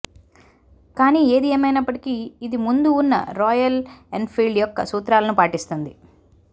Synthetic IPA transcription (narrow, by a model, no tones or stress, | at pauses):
kaːniːeːd̪ieːmɐjnɐpːɐʈi̥kiːd̪imund̪uːnːɐ̰ɾɔːjɐleɳɖpʰiːlɭɖjɔkːɐ̰suːt̪ɾaːlɐnupaːʈist̪und̪i